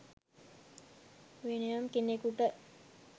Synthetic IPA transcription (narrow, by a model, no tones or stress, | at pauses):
ʋenejamkenekuʈə